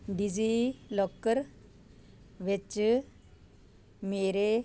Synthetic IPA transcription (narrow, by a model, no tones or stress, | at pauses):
ɖid͡zilɔkːəɾ | ʋet͡ʃ | meɾe